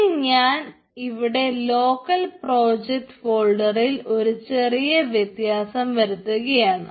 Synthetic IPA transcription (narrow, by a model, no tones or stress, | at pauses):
ɲaːn | iʋiɽe̞lo̞ːkːɐlpro̞ːd͡ʑek̚ʈfo̞ːɭɖɐrilo̞ɾut͡ɕe̞rijɐʋjet̪jaːsɐmʋɐɾut̪ːuɣɐjaːɳɨ